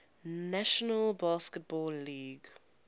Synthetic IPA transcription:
naʃɔnəlbaskət̚bɔːlːiːɡ

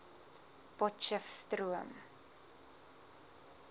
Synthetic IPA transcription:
pɔtt͡ʃəfstruəm

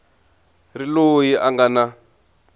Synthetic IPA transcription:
rilojiʔaŋɡana

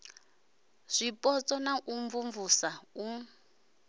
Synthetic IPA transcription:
z̥ʷipʼɔt͡sʼɔnaʔuɱvuɱvusau

